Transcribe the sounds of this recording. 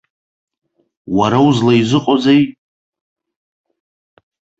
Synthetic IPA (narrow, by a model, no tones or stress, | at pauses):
waɾauzlaizɨqʼozaj